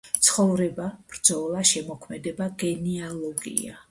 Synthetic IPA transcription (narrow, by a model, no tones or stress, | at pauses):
t̪sʰχɔvɾɛbab̥ɾd̪zɔlˠaʃɛmɔkʰmɛd̪ɛbaɡɛnialˠɔɡḭa̰